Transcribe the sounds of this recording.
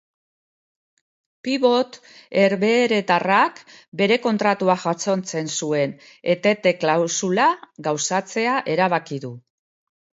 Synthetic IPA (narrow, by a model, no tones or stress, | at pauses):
piβo̞t̪ | e̞ɾβe̞ːɾe̞t̪arakbe̞ɾe̞ko̞nt̪ɾat̪uaʝat͡so̞nt͡se̞nsue̞n | e̞t̪e̞t̪e̞klawsulaɡawsat͡se̞aʔe̞ɾaβ̞akiðu